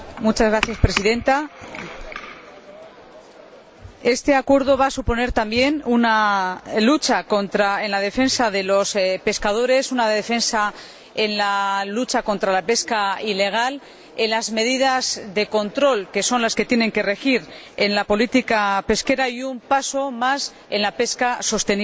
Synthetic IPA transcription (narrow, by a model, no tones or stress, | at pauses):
mut͡ʃazɣɾaθjaspɾe̞siðẽ̞nt̪a | e̞st̪e̞akwe̞ɾðo̞βasupo̞ne̞ɾt̪ambje̞nunalut͡ʃako̞nt̪ɾae̞nlað̞e̞fe̞nsaðe̞lo̞spe̞skað̞o̞ɾe̞sunaðe̞fe̞nsa | enlalut͡ʃako̞nt̪ɾalape̞skaile̞ɣ̞al | enlazme̞ðiðazðe̞ko̞nt̪ɾo̞lke̞so̞nlaske̞t̪je̞ne̞ŋke̞re̞xiɾ | e̞nlapo̞lit̪ikape̞ske̞ɾaiumpaso̞mas | e̞nlape̞skaso̞st̪e̞ni